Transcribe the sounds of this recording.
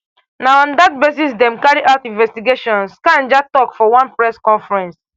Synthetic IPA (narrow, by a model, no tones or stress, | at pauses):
naʊɔ̃ndat̚bes̬is̬dɛ̃mkaɹiʔaʊtĩnvɛstiɡeʃɔ̃nskãnd͡ʒatɔkfɔwãnpɹɛskɔ̃nfɹɛ̃ns